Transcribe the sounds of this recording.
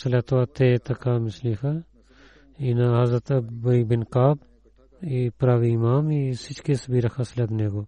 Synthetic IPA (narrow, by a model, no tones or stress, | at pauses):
sɐlet̪owat̪et̪ɐkaːmislixa | inaɦɐzɾɐt̪ɐbɐibinkaːb | ipɾaːʋiimaːmisit͡ʃkisbiɾɐkʰɐsled̪neːɡoː